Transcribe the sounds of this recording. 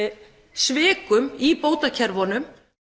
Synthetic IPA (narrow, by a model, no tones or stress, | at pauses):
svɪːkʏmipoːwt̪acʰɛɾvɔnʏm